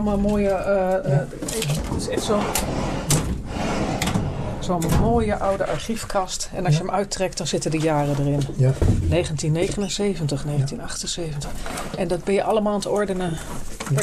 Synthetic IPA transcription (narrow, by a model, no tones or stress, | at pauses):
mmoːjə | ɪsɛso | sonmoːjəʔawdəʔɑɹχifkʰɑstɛnɑsʃjəmœɥtrɛk̚t̚dɑnz̥ɪtədəjaːrədərɪnnejχəntinːejχənənseːvəntəχnejχəntinɑχtənseːvəntəχʔɛndɔd̚bɛnjəʔɑlˠəmaːlˠntəɔɹdənə